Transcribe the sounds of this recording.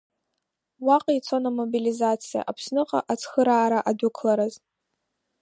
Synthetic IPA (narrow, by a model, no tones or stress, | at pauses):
waqʼit͡sʷʰonamobilizat͡sʰija̰ʔapʰsnɨqʼa̰ʔat͡sʰxəɾaːɾaʔadukʰlaɾaz